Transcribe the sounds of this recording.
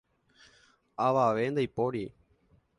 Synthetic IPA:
aʋaʋe̞nd̪ajpoɾi

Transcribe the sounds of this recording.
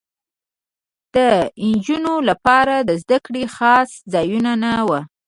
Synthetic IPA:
d̪̥əɪnd͡ʒunolapɑɾad̪əzd̪akɽexɑszɑjunanawa

